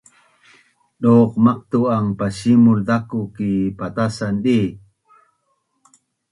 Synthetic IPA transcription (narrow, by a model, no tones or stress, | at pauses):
ɗoːqmaq̚t̪uaŋpaɕimʊld̪akukipat̪asanɗi